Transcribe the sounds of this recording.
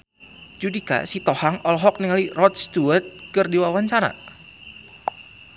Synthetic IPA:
d͡ʒudika̰sit̪ɔhaŋʔɔlɦɔk̚niŋalirɔt̪̚st̪uərt̪̚kɨrdiwawaɲt͡ʃaɾa̰

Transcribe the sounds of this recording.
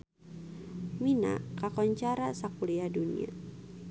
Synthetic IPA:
mina̰kakɔɲt͡ʃaɾasakuliadunḭa̰

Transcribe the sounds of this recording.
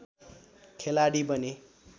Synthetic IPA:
kʰelaɽibʌne

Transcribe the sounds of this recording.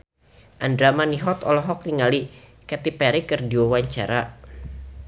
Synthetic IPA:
ʔandɾamaniɦɔt̪ɔlɔɦɔk̚niŋalikɛt̪ipɛɾikərdiwawaɲt͡ʃa̰ɾa

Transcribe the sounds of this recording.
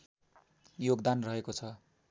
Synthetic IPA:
joɡd̪anrʌɦekot͡sʰʌ

